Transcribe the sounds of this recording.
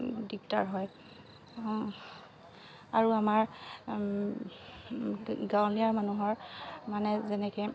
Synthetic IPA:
dik̚ta̰ɹɦɔj | aɹuamaɹ | ɡawliaɹmanuɦɔɹmanɛzɛnɛkɛ

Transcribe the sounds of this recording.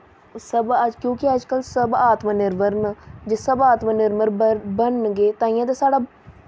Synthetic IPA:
səbəd͡ʒkjõːkɪəd͡ʒkəlsəbaːt̪maːnɪɾʋəɾnd͡ʒesəbaːt̪maːnɪɾməɾbənɡeːt̪ãːĩjãːt̪aːsaːɽaː

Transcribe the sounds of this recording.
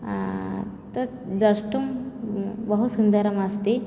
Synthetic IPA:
t̪ɐ | d̪ɐʂʈɐm | bɐɦut̪sund̪ɐɾɐmɐst̪e

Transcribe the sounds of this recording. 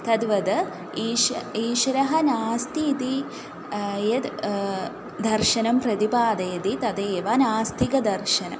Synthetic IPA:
t̪ɐd̪ʋɐd̪ɐ | iiːʃɾɐɦɐnaːst̪it̪i | jɐd̪ | d̪ɐɾʃɐnɐmpɾɐt̪ipaːd̪ɐjɐd̪it̪ɐd̪eːʋanaːst̪ikɐd̪ɐɾʃɐnɐ̰m

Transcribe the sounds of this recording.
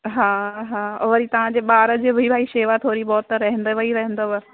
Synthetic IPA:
ɦaːɦãːɔ̰ʋɐɾit̪ɐʋ̤ãd͡ʑeːɓaːɾəd͡ʑeːbʱibʱaːiʃeːʋat̪ʰoːɾibɔːt̪ɾɐɦə̃nd̪eʋɐiɾɐɦə̃nd̪oʋ

